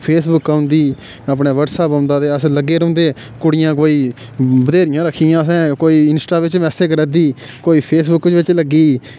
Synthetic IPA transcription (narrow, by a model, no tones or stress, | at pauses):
pʰeːsbʊkːaːʊ̃nd̪iː | əp̬neːʋəɾsaːpãʊnd̪aːd̪eːəsləɡeːɾõːnd̪eː | kʊɽɪjãːkoːiː | bəd̪eːɾɪjãːɾəkʰːijãːəsɛ̃ːkoːiːɪnsʈaːʋɪt͡ʃmɛːseːkɾɛd̪iː | koːiːpʰeːs̬bʊkʋɪt͡ʃləɡiː